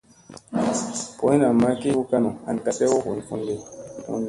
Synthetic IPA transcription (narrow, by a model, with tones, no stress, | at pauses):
po˨˦i˦na˨ma˦ki˦ku˦ka˦nu˨a̰˨n˨ka˨sɛ˦wo˦kṵ˨n˨fṵ˦nde˦ṵ˦n